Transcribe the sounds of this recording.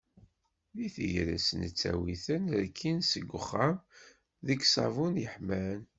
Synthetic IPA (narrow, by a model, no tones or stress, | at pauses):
liθəjɾæ̰sənət͡sːæ̰wiθənəɾkʰːinsəɡʷːəχːam | ðəɡsɑ̰vunjəħmæn